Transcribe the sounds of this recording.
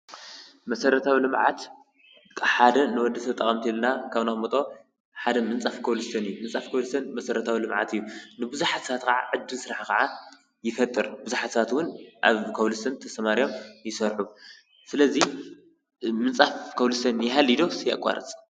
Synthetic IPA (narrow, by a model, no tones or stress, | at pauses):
mɐsɐɾɐt̪ʰawilɨmʕa̰t̪ʰ | ħad̪ɐnɨwɔd̪ːɐt̪ʰɐβt̪ʼɐχʼɐmt̪ʰilnakʰaβnaxʼmɐt̪ʼo | ħad̪ɐmɨnt͡sʼafkʰɐwlɨst̪ʰɐnɨjːumɨnt͡sʼafkʰɐwlɨsʰɐnmɐsɐɾɐt̪ʰawilɨmʕa̰t̪ɨjːunɨbɨzuħat̪sɐat̪kʰɐʕa̰ʕɨd͡ʒːinsɨɾaħkɐʕa | jɪfɐt̪ʼːɨɾbɨzuħat̪sβat̪wʊnʔaβkʰɐwlɨsʰɐnt̪ʰɐsɐmaɾijomjɪsɐɾħu | sɨlɐzi | mɨnt͡sʼafkʰɐwlɨsʰɐnjɛɦalːid̪o̞sɨja̰kʼːa̰ɾɨ̰t͡sʼ